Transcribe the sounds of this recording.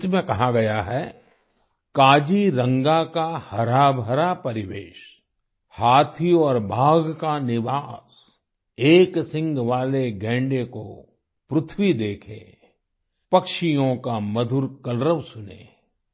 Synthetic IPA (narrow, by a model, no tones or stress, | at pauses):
t̪mẽkɐɦaɡɐjaɦɛ | kaːd͡ʒiɾə̃ŋɡakahɐɾaːbʱəɾapɐɾɪʋḛːʃ | haːt̪ʰiɔːɾbʱaːɡkanɪʋaːs | eːksɪ̃ŋɡʋaːleɡɛ̃ːɳɖeko̰ | pɾʊt̪ʰwid̪eːkʰḛ | pɐkʃijõkamɐd̪ʱʊɾkɐlɾəʋsʊnḛː